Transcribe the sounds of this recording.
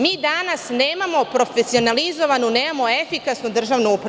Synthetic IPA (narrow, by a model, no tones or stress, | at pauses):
miːd̪anasneːmamo̞pɾo̞fesio̞nalizo̞ʋanuneːmamo̞e̞fikasnud̪r̩ʒaːʋnuupɾa